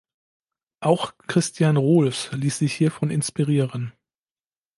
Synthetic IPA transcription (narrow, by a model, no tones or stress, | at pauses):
ʔaʊxkʁ̥ɪstjanʁoːlsliːsz̥ɪçhiːɐfɔnɪnspiʁiːʁən